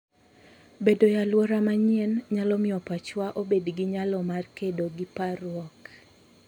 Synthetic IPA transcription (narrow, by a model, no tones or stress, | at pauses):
bedojalwɔɾamaɲɪɛnɲalɔmɪɔpat͡ʃwaʔobedɡɪɲalɔmarkedoɡɪparwɔk